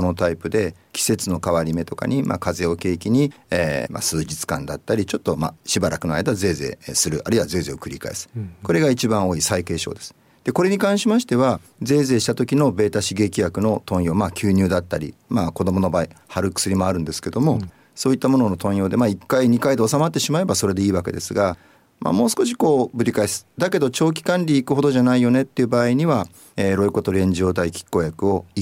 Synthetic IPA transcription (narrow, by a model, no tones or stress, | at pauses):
no̞t̪aipɯ̟d̪e̞kʲi̥se̞t͡sɨno̞kaβaɾʲime̞t̪o̞ka̰ɲ̟imʔa̰ːkaze̞o̞ke̞ːkʲiɲ̟iema̰sɨːd͡ʑit͡sɨ̥kã̰nd̪at̪ːaɾʲit͡ɕo̞t̪ːo̞ma̰ɕibaɾʔakɯ̟noa̰ed̪aze̞ːze̞̰ːsɨɾɯ̟ʔaɾɯ̟iβaze̞ːze̞ːokɯ̟ɾʲika̰ḛsɨ̥ko̞ɾe̞ɡait͡ɕibãɰ̃o̞ːisaike̞ːɕo̞̰ːd̪e̞sɨ̥ | d̪̥e̞ko̞ɾe̞ɲ̟ikãɰ̃ɕimaɕi̥t̪e̞βa | ze̞ːze̞ːɕi̥t̪at̪o̞kʲino̞be̞ːt̪aɕiɡe̞ːkʲijakɯ̟no̞t̪õ̞ɰ̃jo̞ːmaːkʲɨːɲ̟ɨːd̪at̪ːaɾʲḭmaːko̞d̪o̞mo̞no̞baːihaɾɯ̟kɯ̟̥sɨɾʲimo̞aɾɯ̟nd̪e̞sɨ̥ke̞d̪o̞mo̞ | so̞ːit̪ːamo̞nono̞t̪õ̞ɰ̃jo̞ːd̪e̞maːikːaiɲ̟ikaid̪e̞o̞samat̪ːe̞ɕimae̞baso̞ɾe̞d̪e̞iːβake̞d̪e̞sɨɡa | ma̰mo̞ːsɨ̥ko̞ɕi̥ko̞ːbɯ̟ɾʲikaisɨ̥d̪ake̞d̪o̞t͡ɕo̞ːk̬ʲi̥kãnɾʲiːkɯ̟ho̞d̪oʑanaijo̞ne̞t̪ːe̞iɯ̟baːiɲ̟iβa | eːɾo̞iko̞t̪o̞ɾʲiẽ̞ɲd͡ʑo̞ːt̪̬aikʲi̥kːo̞ːjakɯ̟o̞